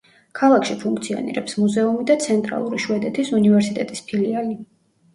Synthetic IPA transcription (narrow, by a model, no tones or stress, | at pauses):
kʰalˠakʰʃipʰuŋk̚ʰt̪sʰiɔ̰nḭɾɛ̰psmuzɛumid̪at̪sʰɛnt̪ʼɾa̰lˠuɾiʃwɛd̪ɛt̪ʰisunivɛɾsit̪ʼɛt̪ʼispʰiliali